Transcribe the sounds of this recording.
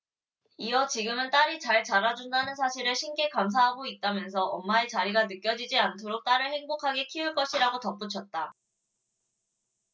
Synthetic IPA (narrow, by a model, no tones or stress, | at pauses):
iʌt͡ɕiɡɯmɯnt͈aɾit͡ɕaɭt͡ɕaɾad͡ʑundanɯns̬ʰaɕʰiɾɯɭɕʰimɡe̞kams̬ʰaɦaɡoit̚t͈amjʌns̬ʰʌʔʌnmaet͡ɕaɾiɡanɯk͈jʌd͡ʑid͡ʑiantʰoɾok̚t͈aɾɯɭhe̞ŋbokʰaɡe̞kʰiuɭk͈ʌɕʰiɾaɡotʌp͈ut͡ɕʰʌt̚t͈a